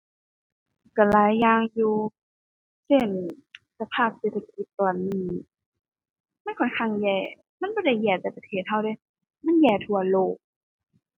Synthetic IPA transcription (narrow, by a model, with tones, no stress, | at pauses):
ka˧˩laː˨˦jːaː˧ŋjuː˧ | se˧˥˩nsa˧pʰaː˥˩p̚seː˧˥t̪ʰa˧ki˧˩t̪ːɔː˨˩nːiː˧˩ | ma˧˥˨nkʰɔ˧˩nkʰa˧˥˨ŋjɛː˧˩ | ma˧˥˨nbɔː˧˥˩ɾa˧˩jɛː˧˩t͡ɕa˧˩pa˧˩t̪ʰeː˧˩t̪̚ɦa˧˩wda˧˩˨j | ma˧˥˨njɛː˧˩t̪ʰu˧ɐloː˧˩k̚